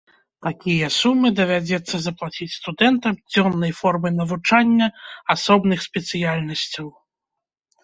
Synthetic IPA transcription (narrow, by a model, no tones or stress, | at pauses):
t̪akʲijɐsumːɨd̪ɐvʲad͡zʲɛt̪sːɐzɐplˠat͡sʲit͡sʲst̪ud̪ɛnt̪ɐmd͡zʲɔnːɐjfɔrmɨnɐvut͡ʂanʲːɐasɔbnɨxsʲpʲɛt̪sɨjalʲnɐsʲt͡sʲɐw